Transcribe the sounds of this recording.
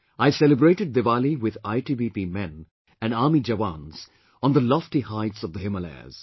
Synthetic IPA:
ʔaɪsɛləbɹeɪʈɨɖ̚d̪ɨvaliwɪðaɪʈibipimɛ̃n | æ̃naːmid͡ʒəʋãnz̥ | ə̃nðəlɔftihaɪtsʌvðəɦɪməlɛ̰z̥

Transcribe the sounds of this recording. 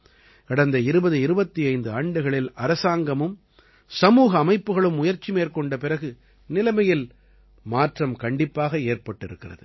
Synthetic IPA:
kɐɽɐnd̪ɐɪɾɯbɐðɯɪɾɯbɐt̪ːiɐɪnd̪ɯaːɳɖɯɣɐɭɪlɐɾɐsaːŋɡɐmɯm | sɐmuːɣɐːmɐɪpːɯɣɐɭɯmʊjɐɾt͡ʃːimeːɾkɔɳɖɐpɪɾɐɣɯ | nɪlɐmɐjɪl | maːʈrɐmkɐɳɖɪpːaːɣɐeːrpɐʈːɪɾɯkːɪrɐ̰ðɯ̰

